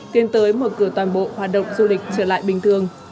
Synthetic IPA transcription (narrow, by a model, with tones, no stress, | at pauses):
t̪i˧ənt̪əː˨˦jmo˨˩t̚kɨ˧˩ət̪waː˨˩nɓo̰˧˨hwaː˨˩t̚ɗə̰˧˨wŋ͡mzu˧lï˨˩k̟̚t͡ɕəː˧˩la̰ː˧˨jɓï˨˩ŋ̟t̪ʰɨ˨˩əŋ